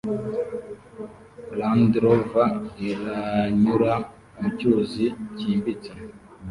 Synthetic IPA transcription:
landɾovaiɾaɲuɾa | mucuziciːmbit͡se

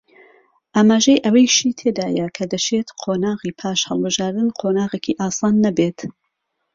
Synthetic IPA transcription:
ʔaːmaːʒejʔɐwɐjʃiːt̪ʰed̪aːjɐkʰɐd̪ɐt͡ʃʰet̪qʰoːnaːɣiːpʰaːʃhɐlˠbɨʒaːɾd̪ɨnqʰoːnaːɣeːkʰiːʔaːsɑːnːɐbeːt̪

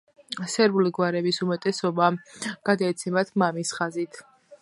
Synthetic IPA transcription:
sɛɾbuliɡwaɾɛbisumɛt̪ʼɛsɔbaɡ̥ad̪aɛt̪sʰɛmat̪ʰmamisχazit̪ʰ

